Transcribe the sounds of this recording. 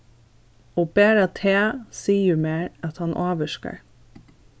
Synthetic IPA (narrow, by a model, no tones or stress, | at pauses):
oːb̥eːɾɑt̪ʰeːsiːjʊmeːɹɑt̪hɑnʔoːʋəʃkə̰ɹ